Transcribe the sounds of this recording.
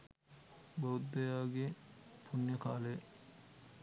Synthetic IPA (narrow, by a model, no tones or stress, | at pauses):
bɐwd̪ːɐjaːɡepʰunːjɐkaːle